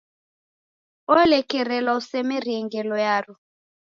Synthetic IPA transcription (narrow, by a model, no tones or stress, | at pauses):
ɔlɛkɛɾɛlausɛmeriɛŋɡɛlɔjaru